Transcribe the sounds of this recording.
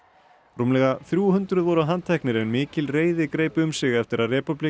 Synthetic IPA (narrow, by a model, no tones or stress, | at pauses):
ruːmlɛɣaθɾjuhʏnt̪ɾʏðvɔɾaɦant̪ʰːɛhknɪɾɛnmɪːcɪlreːjðɪkɾeːjpɪʏmsɪɣɛft̪ɪɾaðrɛːpʏpli